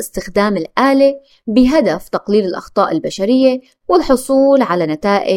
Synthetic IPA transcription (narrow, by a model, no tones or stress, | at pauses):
ʔɪst̪ɪxd̪aːmɪlʔaːle | bɪɦad̪aft̪ɑqliːlɪlʔɑ̰xt̪ˤɑːʔɪlbaʃaɾɪjːe | wɪlħʊsˤuːlʕalanat̪aːʔɪ